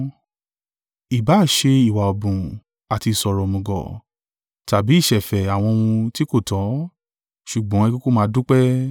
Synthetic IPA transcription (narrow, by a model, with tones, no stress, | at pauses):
i˨ba˨˦˨ʃe˧i˨wa˨ɔ˨bũ˨ | a˨ti˧˨sɔ˨ɾɔ˨mɔ̃˨ɡɔ̰˨ | ta˨bi˨˦i˦˨ʃɛ˨fɛ˨a˨w̃ɔ̃˧ũ˧ti˦ko˦˨tʰɔ̃˨˦ | ʃu˨ɡ͡bɔ̃˨˦ɛ˧ko˦ko˦mãː˧˦dũ˦k͡pɛ˦